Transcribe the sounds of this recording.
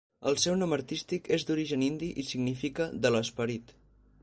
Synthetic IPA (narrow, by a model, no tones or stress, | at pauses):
ə̰lˠsɛwnɔməɾt̪ist̪ikezd̪uɾiʒənind̪iʔisiɡnifikəðələspəɾit̪